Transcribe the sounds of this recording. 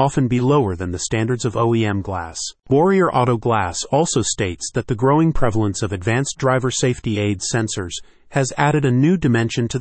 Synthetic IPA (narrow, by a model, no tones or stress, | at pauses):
ɑfɨ̃nbiloʊə˞ðɨ̃nðɨstæ̃ndə˞dzʌvoʊiɛ̃mɡlæ̰swɔɹiə˞ʔɑɾoʊɡlæsɔlˠsoʊsteɪtsðɨt̪̚ðɨɡɹoʊɪ̃ŋpʰɹ̥ɛvl̩ˠə̃nsʌvɨdvæ̃nsdɹaɪvə˞seɪftieɪdsɛ̃nsə˞z̥ | ɨzæɾɨɾɨnʉdɨmɛ̃nʃɨ̃ntʰɨ